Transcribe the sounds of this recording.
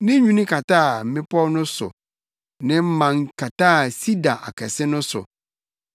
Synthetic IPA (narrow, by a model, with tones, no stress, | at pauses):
nɪ̃˦ɲũ˦nɪ̃˦kʰa˨taː˦˨m̩˨mɪ̃˦pɔ˦nʊ̃˦sʊ̰˨ | nɪ̃˦m̩˦mã˨ŋkʰa˨ta˦˨si˦da˨ʔa̰˨kʰɛ̰˨sɪ˦nʊ̃˦sʊ̰˨